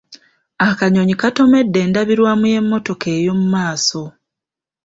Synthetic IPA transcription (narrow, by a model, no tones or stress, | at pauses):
akaɲo̞ɲikato̞me̞dːe̞ːndaβiɾwamuje̞mːo̞to̞ke̞ːjo̞mumaːso̞